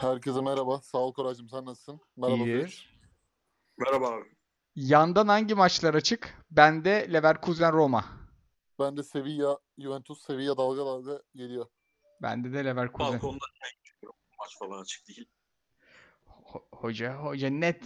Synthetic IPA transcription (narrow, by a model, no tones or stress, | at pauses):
hæɾcʰezimɛɾabasaːlˠkʰoɾad͡ʒɯmsanːassɯnmɛɾaba | mɛɾabavi | jand̪anhaɲɟimat͡ʃlˠaɾat͡ʃʰɯkbænd̪ɛlʲevæɾkʰuzænɾo̞ma̰ | b̥ænd̪ɛse̞vija | juvɛnt̪ʰusːe̞vijad̪alˠɡad̪ad̪ɛjelʲijo | bæ̰nd̪ɛd̪ɛlʲevæɾkʰuaækond̪aɛɾo | mat͡ʃfalˠanat͡ʃʰɯ̥k̚d̪iji | hohod͡ʒaɦod͡ʒanɛt̪